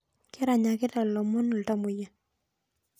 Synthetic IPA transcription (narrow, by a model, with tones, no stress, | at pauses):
ke˦ɾa˨ɲa˨ke˦ta˨lɔ˨mʊ˦na˨lta˦mʊ˨ja˨